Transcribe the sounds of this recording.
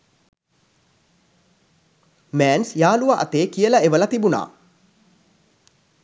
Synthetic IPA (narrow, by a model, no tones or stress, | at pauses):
mæːnsjaːluʋaʔa̰t̪eːkijəlɐeʋəlɐt̪ibuna̰ː